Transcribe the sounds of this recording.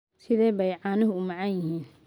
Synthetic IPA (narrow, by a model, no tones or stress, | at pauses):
sɪðɛːβɛjʕaːnɐɦʊʊmɐʕɑjjɪhiːn